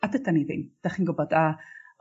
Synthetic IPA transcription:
adətaniðɪ̰nd̥aχinɡʊbɔda

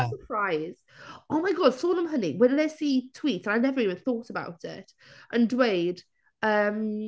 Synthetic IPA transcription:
səpʰɹ̥aɪz̥oʊmaɪɡɑd̥sɔːnə̃mɦənḭwɛnlɛsitʰw̥iˑtsə̃naɪnɛvəɹiːvə̃nθɔˑtəba̰ʊtʰɪ̰t | ʔə̃ndweɪd̥ | əm

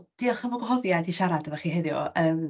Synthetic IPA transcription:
d̥iɔχənvɔɡɔhɦɔðjadiʃaɾadəvaχiɦeðjɔ̰əːm

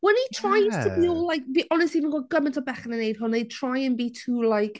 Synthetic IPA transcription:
wɛnhitʰɹ̥ajztʰəbiɔlˠlajk̚viʔɔnɛstivinɡɔɡəmɪ̃ntʰɔbɛχənənejd̥̚ɦʊnej̚tʰr̥ajə̃nbitʰuːlajk

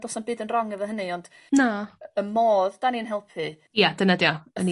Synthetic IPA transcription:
dɔsanbɨːdənrɔŋɛvəɦənɨɔnd̥ | naəmoːðd̥aninɦɛlˠpʰɨ | jadənadjɔəni

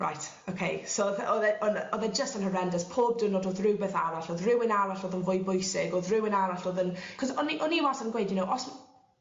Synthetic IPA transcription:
ɹa̰jtʰ | okʰejsowðʔɔðɛʔɔnɔðɛd͡ʒəstənhəɹɛndəspʰoːb̚dənɔdɔðɹɪwbɛθaɾaɬɔðrɪwɪnaɾaɬɔːðənvʊjbʊjsɪɡɔðrɪwɪnaɾaɬɔðənkʰɔzɔniʔɔniwasənɡwejdjʊnowʔɔsm

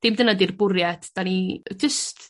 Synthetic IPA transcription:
d̥ɪmdənadirbʊɾjɛtd̥anid͡ʒɪst

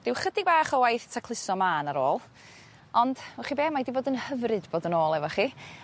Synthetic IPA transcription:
d̥ɪwχədɪɡ̚baːχɔwajθtʰakʰlˠɪsɔmaːnaɾoːlˠ | ɔnd̥ɛχibeːmajdiboːdənhəvrɨdboːdənoːlˠɛvɔχi

